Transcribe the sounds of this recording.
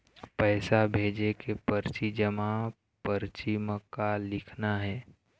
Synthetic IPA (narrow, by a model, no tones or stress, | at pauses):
pɛːsabʱeːd͡ʒekepəɾt͡ʃid͡ʒəma | pəɾt͡ʃɪmkalɪkʰnaɦɛː